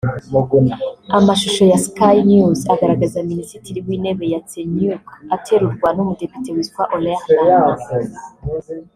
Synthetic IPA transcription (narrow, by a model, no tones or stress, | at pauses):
amaʃuʃo̞jaskajnjuzaɡaɾaɡazaminisitiɾiwine̞βe̞jat͡senjukatʰe̞ɾuɾɡwanumude̞pi̥te̞witwa̰ʔolela